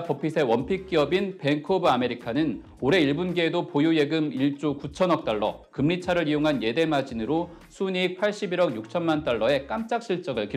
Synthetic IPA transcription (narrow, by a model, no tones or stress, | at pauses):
pʌpʰisʰe̞wʌnpʰik̚k͈iʌbinpe̞ŋkʰobɯame̞ɾikʰanɯn | oɾe̞iɭbunɡeːdopojuje̞ɡɯmiɭt͡ɕ͈okut͡ɕʰʌnʌk̚t͈aɭːʌ̰kɯmːit͡ɕʰaɾɯɾioŋɦanje̞de̞mad͡ʑinɯɾo | sʰunik̚pʰaɭɕ͈ibiɾʌɡjuk̚t͡ɕʰʌnmant͈aɭːʌe̞k͈amt͡ɕ͈ak̚ɕ͈ʰiɭt͡ɕ͈ʌɡɯɭki